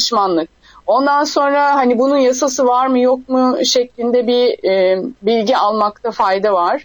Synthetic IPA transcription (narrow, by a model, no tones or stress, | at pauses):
ʃmanlˠɯk̚ | o̞nd̪anso̞nɾaɦanibununjasas̬ɯvaɾmɯjo̞k̚muʃeclʲind̪ɛbi | bilʲɟialˠmakt̪ʰafajd̪avaɾ̥